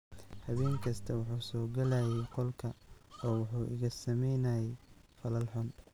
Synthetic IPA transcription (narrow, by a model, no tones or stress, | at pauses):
hɐβɛːŋkʰɐst̪ʰɐwɑħuːsɔːɡɐlaːjɛqɔlkʰɐɔːwɑħuːʔɪ̰ɣɐsɐmɛjnaːjɛjfɐlɐlħʊn